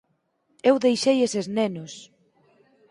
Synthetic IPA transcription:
ewðejʃejeseznenʊs

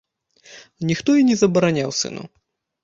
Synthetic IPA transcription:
nʲixt̪ɔinʲɛzɐbɐɾanʲawsɨ̰nṵ

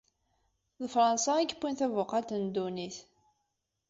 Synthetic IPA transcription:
ðəfɾˤənsɑæɡəpːinθævʊqɑt̪ənd̪uniθ

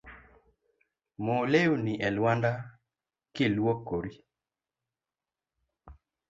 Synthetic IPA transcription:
moleuniʔɛlwanda | kɪlwokːoɾi

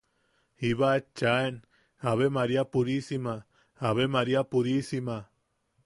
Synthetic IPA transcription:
iβat͡ʃaen | aβemaɾiapuɾisimaː | βemaɾiapuɾisima

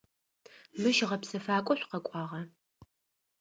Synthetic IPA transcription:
mɨʃʁɐpsɐfaːkʷʼɔɕʷqɐkʷʼɑːʁɐ

